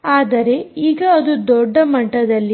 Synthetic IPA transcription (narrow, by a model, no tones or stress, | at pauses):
aːd̪ɐɾe̞iːɡɐːd̪ud̪ɔɖːɐmɐʈːɐd̪ɐlːi